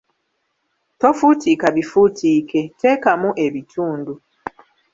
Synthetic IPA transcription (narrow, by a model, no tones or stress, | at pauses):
tofutikaβifutʰiːketʰekamuʔeβitʰuːndu